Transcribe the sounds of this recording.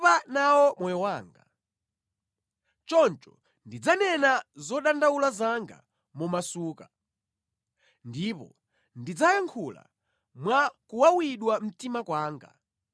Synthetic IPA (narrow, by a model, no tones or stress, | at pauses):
panawɔmɔjɔwaːŋɡa | t͡ʃɔnt͡ʃɔ | ndid͡zanɛnazɔɗandawulazaŋɡa̰ | mumasuːka | ndipɔ̰ | ndid͡zajaŋkʰula̰ | mwakuwawiɗwam̩timakwaːŋɡa̰